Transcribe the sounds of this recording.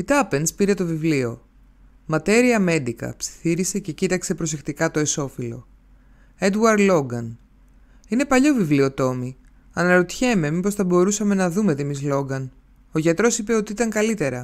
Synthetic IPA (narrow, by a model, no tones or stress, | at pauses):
it̪ɐpe̞nspiɾe̞t̪o̞vivlio̞ | mɐt̪e̞ɾiɐme̞nd̪ikɐ̰psi̥θiɾise̞ce̞cit̪ɐkse̞pɾo̞s̬e̞kt̪ikɐt̪o̞eso̞filo̞̰ | e̞d̪wɐɾd̪lo̞ɡɐn | ine̞pɐʎovivliot̪o̞mi | ɐnɐɾot̪çe̞me̞mipo̞sθɐbo̞ɾusɐme̞nɐðume̞t̪imizlo̞ɡɐn | o̞ʝɐt̪ɾo̞sipe̞o̞t̪iit̪ɐŋkɐlit̪e̞ɾɐ